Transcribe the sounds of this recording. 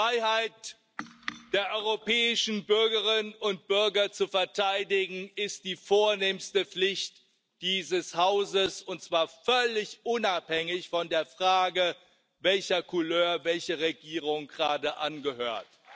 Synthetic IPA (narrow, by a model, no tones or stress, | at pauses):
ʁaɪhaɪt | d̥eːɐʔɔʏʁopʰɛːɪʃn̩bʏɐɡəʁɪnnnʊnt̚b̥ʏɐɡɐt͡sufɛɐtʰaɪdɪɡŋ̩ɪstd̥iːfoːɐneːmstəp͡flɪçt | d̥iːzəshaʊzəsʊntt͡sv̥aːɐfœlɪçʔʊnaphɛŋɪçfɔndeːɐfʁ̥aːɡə | vɛlçɐkʰʊløːɐvɛlçəʁeɡiːʁ̞ʊŋɡəʁaːdəʔanɡəhøːɐt